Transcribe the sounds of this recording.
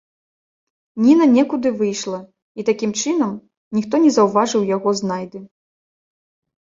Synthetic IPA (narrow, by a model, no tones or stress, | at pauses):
nʲinɐnʲɛkud̪ɨvɨjʂlˠɐ | it̪akʲimt͡ʂɨnɐm | nʲixt̪ɔnʲɛzɐwvaʐɨwjaɣɔzn̪ajd̪ɨ